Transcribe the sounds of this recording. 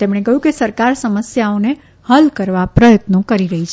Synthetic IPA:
t̪emɳ̃ekəɦjũkesəɾkaɾsəməsjaone | həlkəɾʋapɾəjət̪nokəɾiɾəɦit͡ʃʰ

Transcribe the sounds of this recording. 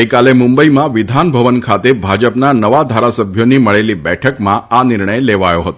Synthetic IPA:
əjkalemũmbəimãʋɪd̪ʱanbʱəʋənkʰat̪ebʱad͡ʒəpnanəʋad̪ʱaɾasəbʱjoniməɭelibɛʈʰəkmãanɪɾɳəjleʋajoɦət̪o

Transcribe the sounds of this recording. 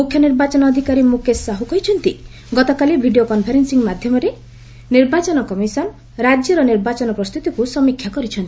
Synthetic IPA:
mukʰjɔniɾbat͡ʃɔnɔːd̪ʱikaɾimukʰesaɦukɔjt͡ʃʰɔnt̪i | ɡɔt̪ɔkalibʱiɖiokɔnpʰaɾensiŋmad̪ʱjɔmɔɾe | niɾbat͡ʃɔnɔkɔmisɔn | ɾad͡ʒjɔɾɔniɾbat͡ʃɔnɔpɾɔst̪ut̪ikusɔmikʰːjakɔɾit͡ʃʰɔnt̪i

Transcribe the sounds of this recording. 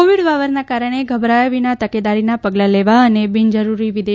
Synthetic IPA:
oʋiɽʋaʋəɾnakaɾəɽ̃eɡʱəbɾajʋinat̪əked̪aɾinapəɡlaleʋaənebind͡ʒəɾuɾiʋid̪e

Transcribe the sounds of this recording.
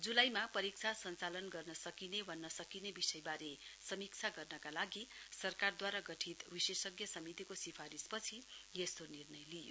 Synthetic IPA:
d͡zulajmapʌɾik̚t͡sʰasʌnt͡salʌnɡʌrnʌsʌkinebʱʌnːʌsʌkinebisʌjbaɾesʌmik̚t͡sʰaɡʌrnʌkalaɡisʌrkard̪waɾaɡʌʈʰit̪bisesʌɡjʌsʌmit̪ikosipʰaɾispʌt͡sʰijest̪onirnʌjlijo̰

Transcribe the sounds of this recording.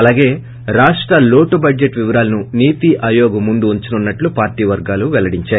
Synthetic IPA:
ɐlaːɡe̞ː | ɾaːʂʈɾɐlo̞ːʈubɐd͡ʒd͡ʒeʈʋiʋɐɾaːlɐnuniːt̪iʔɐːjoːɡɐmund̪uuɲt͡ʃinunːɐʈlupaːɾʈiːʋɐɾɡaːluʋɛlɐɽiɲt͡ʃaːj

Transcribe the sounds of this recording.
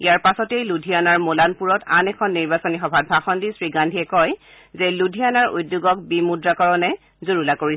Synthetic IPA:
ijaɹpasɔtejludʱijanaɹmolanpuɹɔtanɛkʰɔnːiɹbasɔnixɔbʱat̚bʱaxɔndisɹiɡandʱiɛkɔj | zeludʱianaɹṵjdːjuɡɔk̚bimudɹakɔɹɔnɛ | zoɹulakoɹis

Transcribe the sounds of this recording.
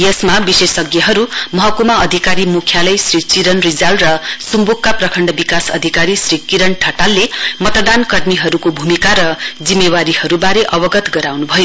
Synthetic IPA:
jʌsmabisesʌɡjʌɦʌɾumʌɦʌkumaʌd̪ʱikaɾimukʰjalʌjsrit͡siɾʌnrid͡zalrʌsumbukkːaprʌkʰʌɳɖʌbikasʌ̰d̪ʱikaɾisɾikiɾʌɳʈʰʌʈalːemʌt̪ʌd̪ankʌrmiɦʌɾukobʱumikaɾʌd͡zimːewaɾihʌɾubaɾeʔʌbʌɡʌt̪ɡʌɾawnubʱʌjo

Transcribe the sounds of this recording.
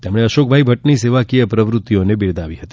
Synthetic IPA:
t̪emɽ̃eəʃok̚bʱaibʱəʈniseʋakijəpɾəʋɾut̪ːijonebɪɾd̪ʱaʋiɦət̪i

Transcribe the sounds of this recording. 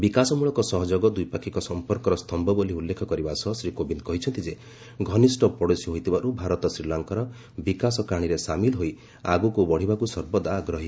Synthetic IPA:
bikasɔmuɭɔkɔsɔɦɔd͡ʒɔɡɔd̪ujpakʰikɔsɔmpɔɾkɔɾɔst̪ʰɔmbɔboliulːekʰɔkɔɾibasɔɦsɾikobinkɔɦit͡ʃʰɔnt̪id͡ʒe | ɡʱɔnisʈɔpɔɽosɔɦojt̪ʰibaʔubʱaɾɔt̪ɔsɾilaŋkɔɾɔ | bikasɔkaɽ̃iɾesamilɦoj | aɡukubɔɽ̤ibakusɔɾbɔd̪aːɡɾɔɦi

